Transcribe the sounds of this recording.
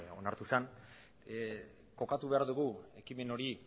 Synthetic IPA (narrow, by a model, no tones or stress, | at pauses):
o̞̰naɾt̪usan | ko̞kat̪uβe̞aɾðuɣue̞kime̞no̞ɾi